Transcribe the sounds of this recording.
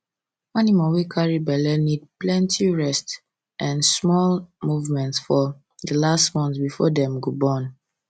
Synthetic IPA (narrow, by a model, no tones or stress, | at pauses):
animawikʰaɹibɛlɛnid̚plɛ̃ntʰiɹɛst | ʔãnsmɔlmuvmɛ̃ntsfɔ | dəlastmɔ̃nθbifɔdɛ̃mɡobɔ̃n